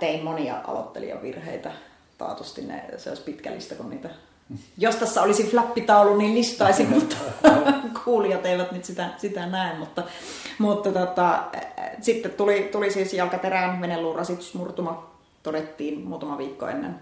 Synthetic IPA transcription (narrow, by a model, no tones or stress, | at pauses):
t̪eˑimmoniɑ̰ʔɑ̰lo̰t̪ːḛlḭjɑ̰ʋḭrhḛˑit̪æ | t̪ɑ̰ˑːt̪ust̪innḛsḛˑospit̪kæ̰lːḭst̪ækunnḭːt̪æ | jost̪æsːæolisiflæpːit̪ɑˑulːunniːllist̪ɑˑisimmut̪ːɑ̥kʰuːliɑt̪eˑiʋæt̪nyt̪sit̪æsit̪ænæˑemmut̪ːɑ | mut̪ːɑt̪ot̪ɑ | sit̪ːet̪t̪ulit̪ulisiːsjɑlkɑt̪erænʋenelːuːrʔɑsit̪y̥smurt̪umɑ | t̪odet̪ːiːnmuːt̪ɑmɑʋiːkːo̰ḛnːḛn